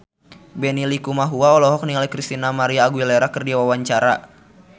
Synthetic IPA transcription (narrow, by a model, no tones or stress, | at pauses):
bɛnilikumaɦuaɔlɔɦɔk̚niŋalikɾist̪inamaɾiaːɡuwilɛɾakərdiawawaɲt͡ʃaɾa